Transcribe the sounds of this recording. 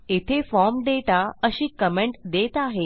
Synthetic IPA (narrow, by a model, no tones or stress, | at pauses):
et̪ʰefɔɾmɖeʈaəɕiːkəmeɳʈd̪et̪aɦe